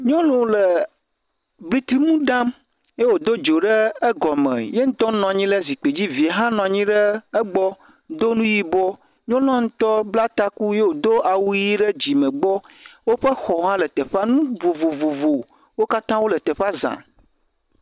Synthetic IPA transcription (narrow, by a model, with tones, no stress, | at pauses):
ɲɔ̃˦lɔ̃˨lə˨ | bli˦t̪i˦mũ˦ɖã˦m | je˦wo˨d̪o˦d͡ʒo˨ɖə˦ɛ˦ɡɔ˨mə̰̃˨je˦ŋ̩̃˦t̪ɔ˦nɔ̃˨a˨ɲĩ˦lə˦zi˨k͡pe˨d͡ʑi˦vi˨ɦã˦nɔ̃˨a˨ɲĩ˦ɖəː˦ɡ͡bɔ˦ | d̪o˦nũ˦ji˦bɔ˦ | ɲɔ̃˦nɔ̃˦ŋ̩̃˦t̪ɔ˦bla˦t̪a˦ku˦je˦wo˨d̪o˦ʔa˨wu˦ji˦ɖə˦d͡ʑi˨mə̃˨ɡ͡bɔ˦ | wo˦ɸə˦xɔ˨ɦã˦lə˨t̪ɛ˨ɸa˦nũ˦vo˨vo˨vo˨vo˨ | wo˦ka˦t̪ã˦wo˦lə˨t̪ɛ˨ɸa˦zã̰˨